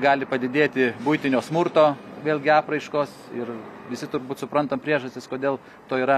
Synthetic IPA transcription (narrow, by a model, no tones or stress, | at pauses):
ɡɑːlʲɪpɐd̪ʲɪd̪ʲeːt̪ʲɪbʊjt̪ʲɪnʲoːsmʊɾt̪oːʋʲeːlʲɡʲɪɑːprɐɪʃkoːsɪrʋʲɪsʲɪt̪ʊɾbuːt̪sʊpɾɐnt̪ɐmpʲɾʲiɛʒɐsʲt̪ʲɪskoːd̪ʲeːlˠ | t̪oːiːɾɐ